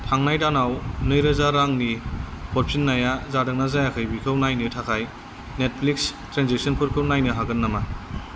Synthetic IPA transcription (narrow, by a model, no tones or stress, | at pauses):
tʰaŋnajdanawnɯjɾɯzaɾaŋnipʰɔɾpʰinːajazadɯŋnazajakʰɯjbikʰɯwnajnɯtʰakʰaj | net̚pʰlikstɾanzek̚sɔnpʰɯɾkʰɯnajnɯɦaɡɯnːama